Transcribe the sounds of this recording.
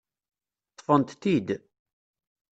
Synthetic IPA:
t̪ˤːfənt̪θid̪

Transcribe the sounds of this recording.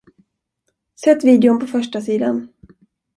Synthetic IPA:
sɛt̪ːviːd̪ɛʊnpʰɔfœʂʈasiːd̪an

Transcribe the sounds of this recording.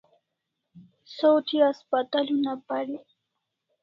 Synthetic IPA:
sawt̪ʰiaspat̪alunapaɾi

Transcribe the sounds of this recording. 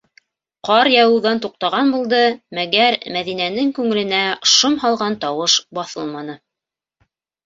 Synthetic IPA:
qɑɾjɑwɤ̆wðɑnt̪uq̚t̪ɑʁɑnbulˠd̪ɤmæɡæɾmæðinænɘŋkʉŋɘ̆lɘ̆næʃomhɑlˠʁɑnt̪ɑwɤʃbɑθɤlˠmɑnɤ

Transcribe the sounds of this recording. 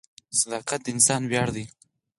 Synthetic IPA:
sad̪ɑqat̪̚d̪əɪnsɑnwjɑɽd̪i

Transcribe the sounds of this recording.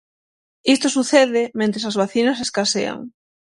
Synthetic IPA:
ist̪osuθeðɪmẽnt̪ɾesazβaθinɐs̬eskasḛa̰ŋ

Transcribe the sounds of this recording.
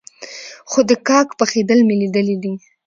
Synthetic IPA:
xod̪əkɑkpəxed̪əlmelid̪əlid̪i

